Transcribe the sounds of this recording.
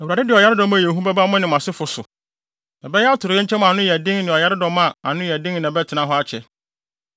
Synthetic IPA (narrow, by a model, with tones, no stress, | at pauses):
ɛ˨wu˨a˨dɪ˦dɪ˨ɔ˨ja˦ɾɪ˦dɔ̃˦mã˦˨jɛ˨ɦũ˦bɛ˦ba˦mʊ̃˦nɪ̃˨m˨ã˨sɪ˦fʊ˨sʊ˨ | nã˨bɛ˦jɛ˦a˦tʰʊ˨ɾɪ˨jɛ̃˦ɲ̩˦t͡ɕʰɛ˦m̃˨a˨nʊ̃˦jɛ˨dɪ̃˦ŋnɪ̃˨ɔ˨ja˦ɾɪ˦dɔ̃˦mːã˦˨a̰˨nʊ̃˦˨ɛ˨dɪ̃˦ŋ̃ː˨bɛ˦tʰɪ˨nã˨˦ɦɔ˦a˦t͡ɕʰɛ˨